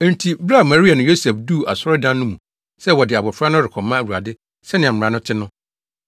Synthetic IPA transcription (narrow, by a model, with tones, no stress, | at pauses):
n̩˨tʰi˨bɾa˦˨ma˨ɾi˦a˨nʊ̃˨jo˦sɛ˨fdu˦˨a˨sɔ˦ɾɪ˦dã˦nː˦ʊ̃˦mũ˨ | sɛ˦wɔ˨dɪ˨a˨bɔ˨fɾa˦nʊ̃˦ɾɪ˨kʰɔ˨mːã˦˨wu˨a̰˨dɪ˦ | sɛ˦nɪ̃˨a˨m̩˨ɾã˨nʊ̃˦tʰɪ˦nʊ̃˦